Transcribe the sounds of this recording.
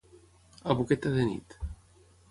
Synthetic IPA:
aβuket̪aðenḭt̪

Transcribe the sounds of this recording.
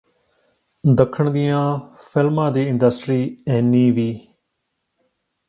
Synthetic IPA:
d̪əkʰəɳd̪ɪjãː | pʰɪlmãːd̪iːɪ̃ɳɖəsʈɾiːɛːnːĩːʋiː

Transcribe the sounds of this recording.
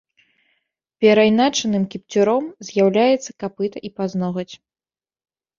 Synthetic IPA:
pʲɛɾajnat͡ʂɐnɨmkʲipt͡sʲuɾɔmzʲjawlʲajɛt̪sːɐkapɨt̪ɐʔipaznɔɣɐt͡sʲ

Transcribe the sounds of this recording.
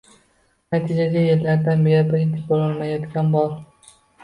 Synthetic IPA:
nat̪ʰid͡ʒaɡʲajeɾlaɾd̪anbe̞ɾabɪɾɪnt̪ʰɪbolɒlˠmajɒt̪kʲʰanbɒɾ

